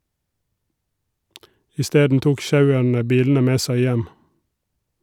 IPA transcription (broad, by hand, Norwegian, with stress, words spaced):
ɪˈsteːdn̩ ˈtuːk ˈʃɑʉəɳə ˈbiːln̩ə ˈmeː ˈsæɪ ˈjɛm